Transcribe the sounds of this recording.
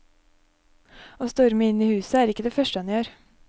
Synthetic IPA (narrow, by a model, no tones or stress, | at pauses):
oːst̪ɔɾməɪniːhʉːsəæːɾɪkːəd̪eːfœʃʈəɑnjøːɾ